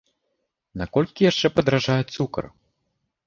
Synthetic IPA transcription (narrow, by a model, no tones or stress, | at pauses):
nakɔlʲkʲijaʂt͡ʂɛpɐd̪ɾaʐajut̪sukɐ̰r